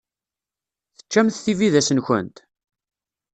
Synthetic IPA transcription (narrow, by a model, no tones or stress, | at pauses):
θə̥t͡ʃːæmθθiviðæsənçə̰nt̪